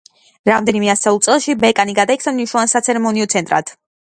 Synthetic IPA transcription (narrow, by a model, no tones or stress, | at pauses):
ɾamd̪ɛnimɛasɛulˠt̪sʼɛlˠʃibɛkʼaniɡad̪aik̪ʰsamniʃnɔvansat̪sʰɛɾɛmɔniɔt̪sʰɛnt̪ʼɾa̰t̪ʰ